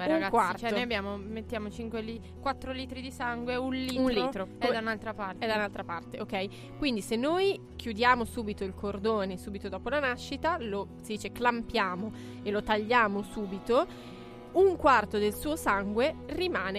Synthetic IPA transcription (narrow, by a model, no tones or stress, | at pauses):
ɛaŋɡakwartt͡ʃɛnojabːjaːmomet̪ːjaːmot͡ʃiŋkweli | kwat̪ːɾoliːt̪ɾid̪isaŋɡweunliːunliːt̪ɾokɛd̪aunalt̪ɾapaɛd̪aunalt̪ɾapart̪eʔokːɛj | kwind̪isenːoj | k̟jud̪jaːmosuːbit̪oilkʰord̪oːnesuːbit̪od̪ɔːpolanaʃːit̪alosid̪iːt͡ʃeklampjaːmo | elot̪aʎːaːmosuːbit̪o | uŋkwart̪od̪elsuːosaŋɡwerimaːne